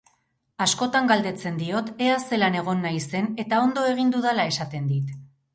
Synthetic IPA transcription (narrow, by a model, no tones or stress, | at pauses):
asko̞t̪aŋɡald̪e̞t͡se̞nd̪io̞t̪e̞ase̞lane̞ɣ̞o̞nːajse̞ne̞t̪ao̞nd̪o̞e̞ɣ̞ind̪uðalae̞sat̪e̞nd̪it̪